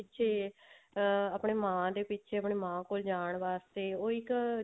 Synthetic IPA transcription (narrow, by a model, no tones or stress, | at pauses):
ɪʃʰeː | əpɳeːmãːd̪eːpɪtːʃʰeːəpɳeːmãːkoːld͡ʒaːɳʋaːst̪eːoːɪk